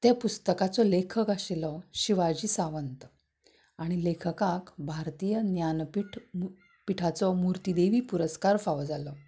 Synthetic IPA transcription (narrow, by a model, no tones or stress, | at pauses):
t̪epust̪əkat͡sɔlekʰəkaɕelɔɕiʋad͡ʑiːsaʋənt̪ | aɽ̃ilekʰəkakbʱaɾt̪ijənjanpiʈʰ | piʈʰat͡sɔmuɾt̪id̪eʋiːpuɾəskaɾfaʋd͡zalɔ